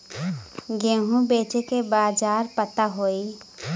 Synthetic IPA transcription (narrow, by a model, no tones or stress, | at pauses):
ɡẽːɦũbeːt͡ʃekebaːd͡ʒaːɾpət̪aɦoːi